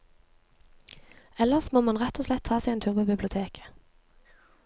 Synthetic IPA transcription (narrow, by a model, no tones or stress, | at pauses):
ɛləʁsmoːmɑnʁɛt̪oːslɛt̪ʰːɑːsɛɪeːnt̪ʰʉʁbəbɪblɪʊt̪ʰeːkʰə̥